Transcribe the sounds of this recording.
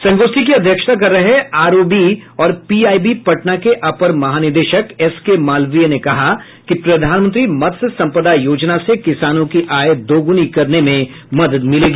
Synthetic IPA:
sɐ̃ŋɡoːst̪ik̬iɐd̪ʱjəkʃə̥t̪ʰak̬ɐɾːɐɦeaːɾoːbiɔːɾpiːaːibipɐʈnakeʔɐpəɾmɐɦaːnɪɾd̪eːʃəkɛskemaːlʋijənekɐɦa | kipɾɐd̪ʱaːnmə̃nt̪ɾimɐt̪ssɐ̃mpəd̪ajoːd͡ʒnasekɪsaːnõkiʔaːjd̪oːɡʊnikɐɾnemẽ | mɐd̪əd̪mɪleːɡiː

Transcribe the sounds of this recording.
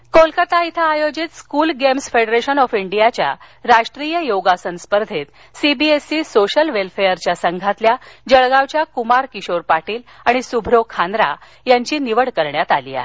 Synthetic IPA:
kolkət̪ait̪ʰaːjod͡ʑit̪skulɡemsfeɽɾeɕənɔfiɳɖijat͡ɕja̰ɾaʂʈɾijəjoɡasənspəɾd̪ʱet̪ | sibiesisoɕəlʋelfejəɾt͡ɕjasəŋɡʱat̪ljad͡ʑəɭɡaʋt͡ɕjakumaɾkiɕoɾpaʈiːl | aɽ̃isubʱɾokʰand̪ɾa̰ | jaɲt͡ɕiːniʋəɽkəɾɳjat̪alḭːa̰ɦe

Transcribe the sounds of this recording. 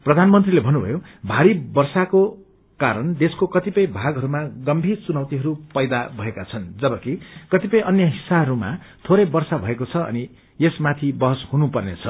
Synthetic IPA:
prʌd̪ʱanmʌnt̪rilebʱʌnːubʱʌ̰jobʱaɾibʌrsako | kaɾʌnd̪eskokʌt̪ipʌjbʱaɡɦʌɾumaɡʌmbʱirt͡sunʌwt̪iɦʌɾupʌjd̪abʱʌekat͡sʰʌnd͡zʌbʌkikʌt̪ipʌjʔʌnjʌɦisːaɦʌɾuma̰ | t̪ʰoɾʌjbʌrsabʱʌekot͡sʰʌʌ̰ni | esmat̪ʰibʌɦʌshunupʌrnḛt͡sʰʌ

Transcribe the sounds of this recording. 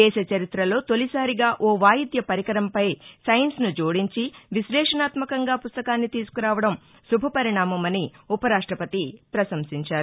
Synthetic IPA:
ɛːʃɐt͡ʃɐɾit̪ɾɐlo̞ːt̪o̞lisaːɾiɡaːʔoːʋaːjid̪jɐpɐɾikɐɾɐmpɐjsɐjɐnsnud͡ʒoːɽiɲt͡ʃiʋislɛːʂɐnaːt̪mɐkɐŋɡaːpust̪ɐkaːnːit̪iːsu̥kuɾaːʋɐɽɐm | subʱɐpɐɾiɳaːmɐmɐniupɐɾaːʂʈɾɐpɐt̪ipɾɐsɐmsiɲt͡ʃaːɾu

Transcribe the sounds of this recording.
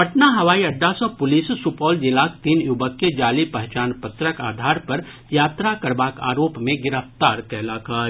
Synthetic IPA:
pəʈnaɦɐʋaːiɐɖːasɔ̃pʊlissupɔːld͡ʒɪlaːk̚t̪iːnjʊbəkːed͡ʒaːlipəɦt͡ʃaːnpət̪ɾəkaːd̪ʱaːɾpɐɾ | jaːt̪ɾakɐɾbaːka̰ːɾoːpmẽɡɪɾəft̪aːɾkɛːlakʰaː

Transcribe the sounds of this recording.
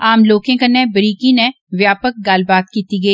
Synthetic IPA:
aːmloːkẽkɐnːẽbəɾiːkinɛ̃ | ʋjaːpək̚ɡaːlbaːt̪̚kiːt̪iɡɐiː

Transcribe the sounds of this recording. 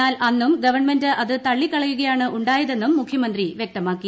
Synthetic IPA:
aːlʔɐnːumɡɐʋɐrɳmendɨʔɐðɨt̪ɐɭːikːɐɭɐjuɣɐjaːɳɨʔuɳɖaːjɐðe̞nːumːukʰjɐmɐnd̪riʋjek̚t̪ɐmaːkːi

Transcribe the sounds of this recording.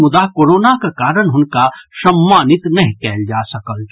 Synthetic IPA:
mʊd̪akoːɾoːnakakaːɾəɽ̃ɦʊnkaʃɐmːaːnɪt̪nɐɦĩkɛɦld͡ʒaːsɐkəl

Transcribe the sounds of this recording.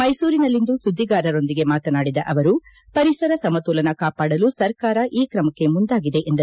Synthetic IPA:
mɐjsuːɾinɐlːind̪usud̪ʱːiɡaːɾɐɾo̞nd̪iɡe̞maːt̪ɐnaːɽid̪ɐʔɐʋɐɾu | pɐɾisɐɾɐsɐmɐt̪uːlɐnɐkaːpaːɽɐlusɐɾkaːɾɐʔiːkɾɐmɐkːe̞mund̪aːɡid̪e̞ʔend̪ɐɾ

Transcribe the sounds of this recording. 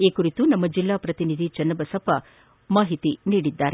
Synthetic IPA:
eːkuɾit̪unɐmːɐd͡ʒilːaːpɾɐt̪inid̪ʱit͡ʃɐnːɐbɐsɐpɐ | maːɦit̪iniːɽid̪ːaːɾe

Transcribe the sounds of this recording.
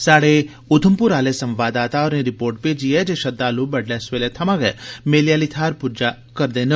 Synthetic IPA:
saɽe | ʊd̪ʱəmpuɾaːlesə̃mʋad̪at̪aɔɾniɾipoɾʈ̚ped͡ʒijed͡ʒeʃəd̪ːalubəɖlesʋelet̪ʰɐmaɡɛ̰meljalit̪ʰaɾpud͡ʒa | kəɾd̪enə

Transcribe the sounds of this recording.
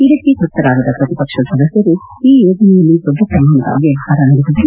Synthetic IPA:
iɾit̪ːikɾut̪ːɐɾaːɡɐd̪ɐpɾɐt̪ipɐkʂɐd̪sɐlɐsɐɾu | iːjoːd͡ʒɐnɛjɐlːid̪ɔb̪ʱːɐpɾɐmaːnɐda̰ːɡiɐɦaːɾɐnɐɽut̪ɐd̪e

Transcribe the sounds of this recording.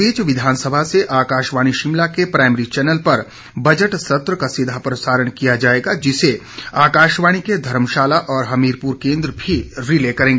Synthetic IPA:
eːt͡ʃʋɪd̪ʱaːnsəbʱaseʔaːkaːʃʋaːɽ̃iʃɪmlakepɾaːɪməɾit͡ʃɛːnəlpɐɾ | bɐd͡ʒəʈsɐt̪ɾəkasɪd̪ʱapɾɐsaːɾəɽ̃kijad͡ʒaːeːɡad͡ʒɪse | aːkaːʃʋaːɽ̃iked̪ʱɐɾəmʃaːlaʔɔːɾɦɐmiːɾpuːɾkẽːnd̪ɾəbʱiɾɪlekɐɾẽːŋɡeː

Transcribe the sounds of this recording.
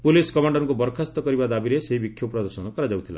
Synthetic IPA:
puliskɔmaɳɖɔɾŋkubɔɾkʰast̪ɔkɔɾibad̪abiɾeseɦibikʰjupɾɔd̪ɔɾsɔnɔkɔɾad͡ʒawt̪ʰila̰

